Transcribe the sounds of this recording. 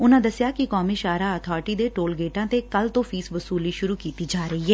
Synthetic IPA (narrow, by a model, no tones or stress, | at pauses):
ʊnãːd̪əsɪjaːkɪkɔːmiːʃaːɾaːət̪ʰaːɾʈiːd̪eːʈoːlɡeːʈãːt̪ekəlt̪õːfʰiːsʋəsuːliːʃʊɾuːkiːt̪iːd͡ʒaːɾəiːɦɛː